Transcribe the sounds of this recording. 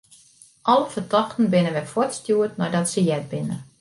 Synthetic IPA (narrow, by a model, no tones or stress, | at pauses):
ʔɔlˠəfətɔxtən̩bɪnənʋɛjfɔrtstjuətnɔjdɔtsəjɛt̚bɪnə